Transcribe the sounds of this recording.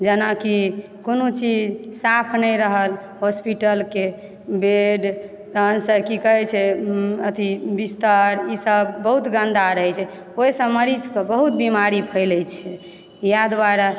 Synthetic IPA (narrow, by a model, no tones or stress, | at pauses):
d͡ʒənaki | konot͡ʃid͡ʒsapʰnəjɾəɦəl | ɦospiʈəlke | beɖ | t̪ənsəkikəɦɛt͡ʃʰɛət̪ʰibist̪əɾisəbːəɦut̪ɡənd̪aɾəɦɛt͡ʃʰɛ | ojsə̃məɾid͡ʒkəbəɦut̪̚bimaɾipʰəɪlɛt͡ʃʰɛ | jad̪waɾa